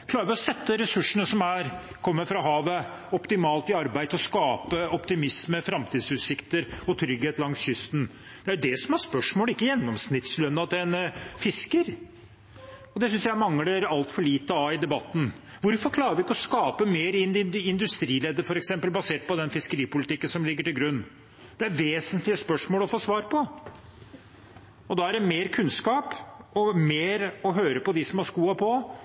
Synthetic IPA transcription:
kʰlɑːɾʋɪɔsɛt̪ːəɾɛsʉʂːəɳəsɔmæɾ | kʰɔmːəɾfɾɑɦɑːʋə | ɔpt̪ɪmɑːlt̪ɪɑɾbæɪd̪ʰlɔskɑːpəɔpt̪ɪmɪsməfɾɑmt̪ʰiːd̪sʉːt̪sɪkt̪əɾɔt̪ʰɾʏɡheːt̪lɑŋsçʏst̪n̩ | d̪̥ɛæɾjʊd̪ɛsɔmæɾspœʂmoːlɪkːəjɛnːɔmsnɪt̪slœnːɑɑt̪ɛnfɪskəɾ | ɔd̪ɛsʏnsjæɪmɑŋːəɖəɾɑlt̪fɔɭiːt̪əɑɪd̪ɛbɑt̪ːn | ʋʊɾfɔɾkʰlɑːɾʋɪɪkːəɔskɑːpəmeːɾɪɪnd̪ʉst̪ɾiːlɛd̪ːəfɔɾɛksɛmpəlbɑseːʈ̚pɔd̪ɛnfɪskəɾiːpʊlɪt̪ɪkːənsɔmlɪɡːəʈɪlɡɾʉnː | d̪̥ɛæɾʋeːsənt̪lɪəspœʂmoːlɔfoːsʋɑːɾpʰɔ | ɔd̪ɑːæɖɛmeːɾkʰʉnskɑːpɔmeːɾɔɦøːɾəpɔd̪ɪsɔmhɑɾʂkuːɑpʰɔ

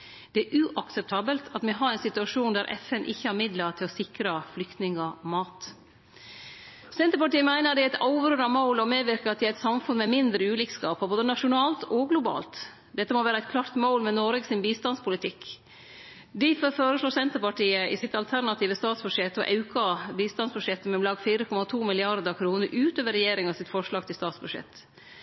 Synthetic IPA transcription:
d̪̥ɛæɾʔʉːʔɑksɛp̚t̪ʰɑːbəlt̪ʰɑt̪mɛɦɑɾæɪnsɪt̪ʉɑʂuːnd̪æɾʔɛ̰fɛnʔɪçːəhæɾmɪd̪lətʰɪlɔsɪkɾəflʏkt̪nɪŋəɔmɑːt̪ | sɛnt̪əɾpɑʈiːəmæɪnəɾd̪ɛæɪt̪ʰɑʊʋɾøːɾɑnmaʊlɔmeːʋɪɾkəɾɑt̪̚ɛæɾɛɪt̪sɑmfʉnmɛmɪnd̪ɾəʉːliːkskɑːpəboːd̪ənɑʂʊnɑːlt̪ʰɔɡlʊbɑ̰ːlt̪ | d̪ɛt̪ːəmɔʋæːɾəæɪt̪̚kʰlɑɾt̪moʊlmɛnɔɾɡəsɪnbiːst̪ɑnspʰʊlɪt̪ʰɪk | d̪ɪføføːɾəʂɭoːsɛnt̪əɾpɑʈiːəʔɪsɪt̪ɑlt̪ʰæɾnɑt̪ʰiːʋəst̪ɑːt̪sbʉdʂɛt̪ːɔ̰ʔɑʉkʰɑbiːst̪ɑnsbʉʂɛt̪ːmɛʊmlɑːɡfiːɾəkʰɔmɑt̪ʰuːmɪlɪɑɾd̪əkʰɾuːnəɾʔʉːt̪øːʋəɾɛjeːɾɪŋɑsɪt̪fɔʂɭɑːɡ̚t̪ʰɪlst̪ɑːt̪sbʉʂɛ̰t̪ː

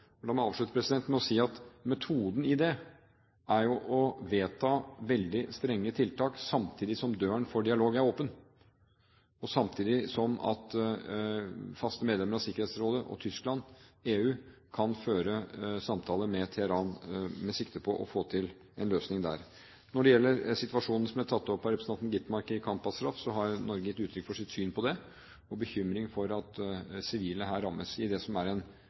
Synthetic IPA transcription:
ɔd̪ɑmɔɑːʋʂɭʉt̪əpʰɾɛsɪd̪ɛnt̪mɛɔsiːɑt̪mɛt̪ʰuːd̪n̩ɪd̪ɛ | æɾjʊʔɔʋeːt̪ʰɑːʋɛld̪ɪst̪ɾɛŋːət̪ʰɪlt̪ɑːksɑmt̪ʰiːd̪ɪsɔmd̪øːəɳfɔɖɪɑloːɡæɾoːpən | ɔsɑmt̪ʰiːd̪ɪsɔmɑ̰t̪ | fɑst̪əmeːd̪lɛməɾɑsɪkːəɾheːt̪sɾoːd̪əʔɔ̰t̪ʰʏsklɑneːʉː | kʰɑnføːɾəsɑmt̪ʰɑːləmɛt̪ʰɛhəɾɑːnmɛsɪkt̪əpʰɔʔɔ̰foːt̪ʰɪl | ɛnløːsnɪŋd̪æ̰ːɾ | nɔɖɛjɛlːəɾsɪt̪ʋɑʂuːnn̩sɔmæt̪ʰɑt̪ːɔpːɔɾɛpɾsɑt̪nɡɪt̪mɑɾkəɪkʰɑmpɑst̪ɾɑfsɔɦɑɾnɔɾɡəjɪt̪ːʉːt̪ʰɾʏkfɔʂɪt̪syːnpʰɔd̪ɛ | ɔbəçʏmɾɪŋfɔɾɑt̪sɪʋiːlnəɦæːɾːɑmːəsɪd̪ɛsɔmæɾɛn

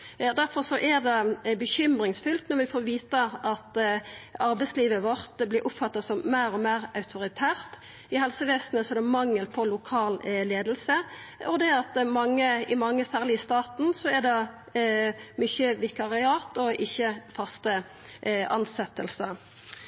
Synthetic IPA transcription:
ɑd̪æɾfɔɾsɔʔɛd̪ɛbəçʏmɾɪŋsfʉlt̪nɔɾʋɪfoːɾʋiːt̪əʔɑt̪ | ɑɾbɛɪsliːʋəʋɔʁt̪blɪɾʔʊpfɑt̪ːɑsɔmːeːɾɔmeːʁɑʉt̪ʰʊɾɪt̪ʰæːʁt̪ | ɪhɛlsəʋeːsn̩əsɔɛɾd̪ɛmɑŋːəlpʰɔlʊkʰɑːlleːd̪əl̩sə | ʔɔd̪ɛɑt̪mɑŋːəɪmɑŋːəsæːʁlɪst̪ɑːt̪n̩sɔɛɾd̪ɛ | mʏçəʋɪkɑʁɪɑːt̪ɔʔɪçːəfɑst̪ə | ʔɑ̰nsɛt̪ːəlsə

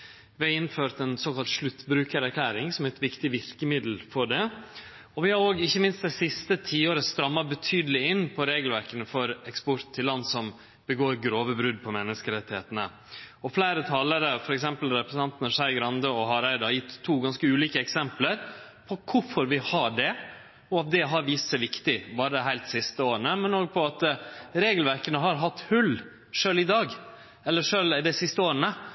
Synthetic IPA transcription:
ʋɪɑɪnføːɾt̪ɛnsoːkɑlt̪ʂlʉt̪ːbɾʉːkəɾæɾkʰlæːɾɪŋsɔmæɪt̪ʋɪkt̪ɪʋɪɾkəmɪd̪l̩fɔɖɛ | ɔʋɪhɑɾoːɡɪçːəmɪnst̪̚d̪ɛsɪst̪ət̪ʰiːoːɾəst̪ɾɑmːɑbət̪ʰyːd̪əlɪɪnːpʰɔɾeːɡlʋæɾkənəfɔɾɛkspɔɾt̪t̪ʰːɪlːɑnːsɔm | b̥əɡoːɾɡɾoːʋəbɾʉd̪̚pʰɔmɛnːəskəɾɛt̪ːɪheːt̪ənə | ɔflæɪɾət̪ʰɑːləɾəfɔɾɛksɛmpəlɾɛpɾs̩ɑnt̪nəʂæɪɡɾɑnd̪əɔɦɑɾæɪd̪ɑjɪt̪ʰːuːɡɑnskəʉːliːkəɛksɛmpləɾ | pʰɔkʰʊfɔɾʋɪhɑɖɛ | ɔɑt̪̚d̪ɛɦɑɾʋiːst̪sæɪʋɪkt̪ɪbɑːɾəd̪ɦæɪlt̪sɪst̪əoːɾənəmɛnoːɡ̚pʰɔɑt̪ɾeːɡəlʋæɾkənəɦɑɾɦɑt̪ːhʉlː | ʂøːlɪd̪ɑːɡ | ɛlːəʂøːld̪ɛsɪst̪əoːɾənə

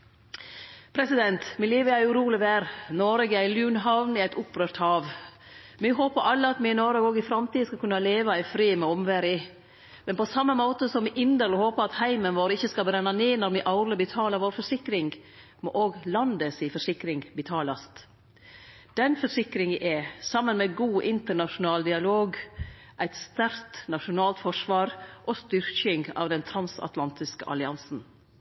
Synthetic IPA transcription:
pʰɾɛsɪd̪ɛnt̪mɪliːʋəæɾʉɾuːlɪʋæːɾnɔɾɡəæɪljʉːnɦɑʋnɪæɪt̪ʊpɾøːɾt̪hɑːʋ | mɪɦoːpəɾʔɑlːəɑt̪mɪɪnɔɾəɡoːɡɪfɾɑmt̪iːəskɑkʰʉnːɑleːʋɑɪfɾiːmɛɔmʋæɾɪ | mɛnpɔsɑmːəmoːt̪əsɔmʔɪnd̪əɾlhoːpəɾɑt̪hæɪmənʋoːɾɪçːəskɑbɾɛnːɑneːnɔɾmɪʔɑʊɾləbət̪ʰɑːləɾʋoːɾfɔʂɪkɾɪŋɡ | moʔoːɡlɑnd̪əsifɔʂɪkɾɪŋbət̪ʰɑːlɑst̪ | d̪̥ɛnfɔʂɪkɾɪŋʔɛsɑmːənmɛɡuːʔɪnt̪əɳɑʃʊnɑːld̪ɪɑloːɡ | ʔæɪt̪st̪æɾt̪nɑʃʊnɑːlt̪fɔʂʋɑːɾʔoːst̪ʏɾçɪŋɡɑ̰ːʋd̪ɛnt̪ʰɾɑnsɑ̰t̪lɑnt̪ɪskə̰ʔɑ̰lɪɑnsn̩

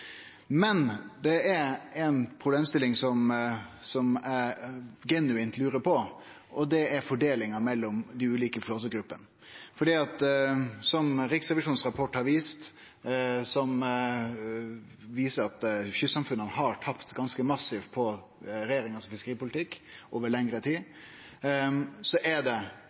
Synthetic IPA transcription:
mɛnd̪ɛæɾɛnpʰɾʊbleːmst̪ɪlːɪŋsɔmsɔmæɾɡɛnʉɪnt̪lʉːɾəpʰɔ | ʔɔd̪ɛæɾfɔɖeːlɪŋɑmɛlːɔmd̪ɛʉːliːkəfloːt̪əɡɾʉpːən | fɔɖiːɑt̪sɔmɾɪksɾɛʋɪʂuːnsɾɑpʰɔʈːhɑɾʋiːst̪ | sɔm | ʋiːsəɾɑt̪çʏsɑmfʉnənəɦɑʈ̪ʰɑpt̪ɡɑnskəmɑsɪʋpʰɔ | ɾɛjeːɾɪŋɑsɔfɪskəɾiːpʊlɪt̪ʰɪkːʔoːʋəɭɛŋɾət̪ʰiː | sɔʔæɖɛ

